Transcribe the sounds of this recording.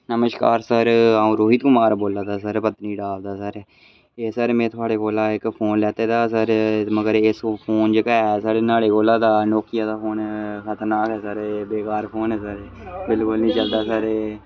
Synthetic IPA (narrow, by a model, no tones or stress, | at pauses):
nəməʃka̰ːɾsəɾaːũːɾoːɦit̪kʊmaːɾboːlaːd̪aːs̬əɾpət̪niːɖaːld̪aːsəɾ | eːsəɾmẽːt̪ʰʊaːɽeːkoːlaːɪkpʰoːnlɛːt̪eːd̪aːsəɾməɡəɾɪspʰoːnd͡ʒɪkaɛsaːɽeːnaːɽeːkoːlaːd̪aːnoːkɪjaːd̪aːpʰoːnkʰət̪əɾnaːkɛːsəɾbeːkaːɾpʰoːnɛːsəɾ | bɪlkʊlnĩːt͡ʃəld̪aːsəɾ